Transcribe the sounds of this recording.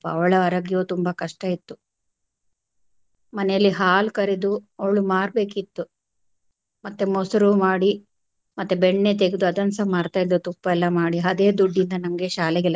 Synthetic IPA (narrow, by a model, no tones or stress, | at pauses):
ɐ̰ʋɐɭɐɐɾɐɡjoːt̪umbɐkɐʂʈɐit̪ːu | mɐnɛjɐlːiɦaːlkɐɾed̪uɐɭːumaːɾbe̞ːkit̪ːu | mɐt̪ːemosɐɾumaːɽi | mɐt̪ːubeɳːet̪eɡed̪uɐd̪ɐnsɐmaːɾt̪aːjd̪ːut̪upːɐɛlːɐmaːɽiɦɐd̪e̞ːd̪uɖːind̪ɐnɐŋɐɡe̞ːʃaːlɛɡɛlːɐ